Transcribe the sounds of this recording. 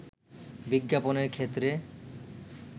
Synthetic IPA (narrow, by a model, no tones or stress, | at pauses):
biɡːaponeɾkʰet̪ːɾe